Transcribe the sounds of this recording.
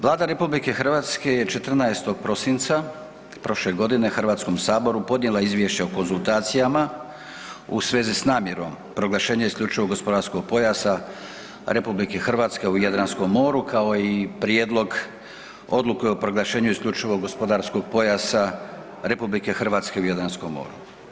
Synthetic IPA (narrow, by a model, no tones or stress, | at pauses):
ʋlˠaːd̪aɾe̞publike̞xr̩ʋaːt̪ske̞je̞t͡ʃet̪r̩najest̪o̞ɡ̚pɾo̞sint̪sa | pɾo̞ʃle̞ɡo̞d̪ine̞xrʋaːt̪sko̞msaːbo̞ɾupo̞d̪njelˠaizʋje̞ʃt͡ɕeoko̞nsulˠt̪aːt̪sijama | usʋe̞ːzisnaːmje̞ɾo̞̰m | pɾo̞ɡlˠaʃe̞ːɲaiskʎʲut͡ʃiʋo̞ɡo̞spo̞d̪aɾsko̞ɡ̚po̞jasa | ɾe̞publike̞xr̩ʋaːt̪ske̞ujad̪ɾansko̞mːo̞ːɾukʰao̞ipɾjeːd̪lˠo̞ɡ | o̞d̪lukeopɾo̞ɡlˠaʃe̞ːɲuiskʎʲut͡ʃiʋo̞ɡo̞spo̞d̪aɾsko̞ɡ̚po̞jasa | ɾe̞publike̞xr̩ʋaːt̪ske̞ujad̪ɾansko̞mːo̞̰ːɾu